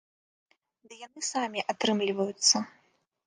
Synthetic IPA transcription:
d̪ɨjanɨsamʲiʔat̪ɾɨmlʲivɐjut̪sːɐ

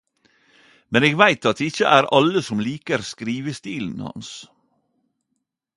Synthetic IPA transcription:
mɛneːɡʋæɪt̪ɑt̪̚d̪ɛːɪçəʔæːɾɑləsɔmliːkəɾskɾiːʋəst̪iːln̩hɑ̰ns

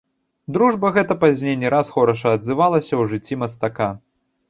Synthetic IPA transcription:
d̪ɾuʐbɐɣɛt̪ɐpazʲnʲejnʲɛɾasxɔɾɐʂɐɐd̪zɨvalˠɐsʲɐwʐɨt͡sʲːimɐst̪aka

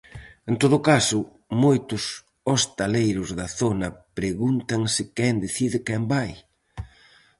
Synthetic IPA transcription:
ent̪oðʊkasʊ | mojt̪ʊs | ost̪alejɾʊzðɐθonɐpɾeɣunt̪ɐŋsɪkɛnd̪eθiðɪkɛmbaj

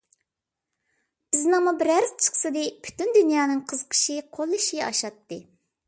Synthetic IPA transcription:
b̥ɪznɨŋmubɪɾæɾzt͡ʃʰə̥χsɨd̪ɨpʰy̥t̪ynd̪ynjɑːnɨŋqʰəzəqʰə̥ʃɨqʰolˠːɨʃiɑ̰ʃɑt̪ːɨ

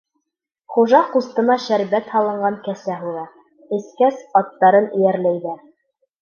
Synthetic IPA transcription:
χuʒɑχust̪ɤ̆nɑʃæɾbæt̪hɑlˠɤ̆ɴɢɑŋkæsæɦulɑ | ɘ̆skæsɑt̪ːɑɾɤnɘ̆jæɾlæjðæ

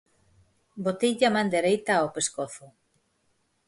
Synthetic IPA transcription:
bot̪iʎamãnd̪eɾejt̪aawpeskoθʊ

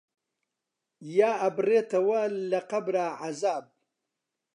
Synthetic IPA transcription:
jaːɐbreːt̪ɐwalɐqabɾaːʕazaːb̚

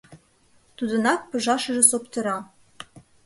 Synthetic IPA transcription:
t̪ud̪ə̆nɑk̚pɤ̆ʒɑʃɤ̆ʒĕsopt̪ɤ̆ɾɑ

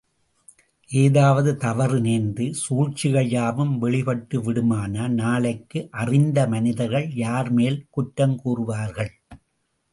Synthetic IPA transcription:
ʔeːðaːʋɐðɯt̪ɐʋɐɾɯneːnnd̪ɯsuːɻt͡ʃɪɣɐjaːʋɯmʋɛɭɪpɐʈːɯʋɪɽɯmaːnɐnaːɭɐɪkːɯʔɐrɪnd̪ɐmɐnɪðɐɾɣɐɭjaːɾmeːlkʊʈːɐmkuːrɯʋaːɾɣɐɭ

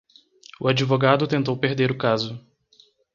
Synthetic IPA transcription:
ʊad͡ʒivoɡad̪ʊt̪ẽnt̪owpeɾd̪eɾʊkazʊ

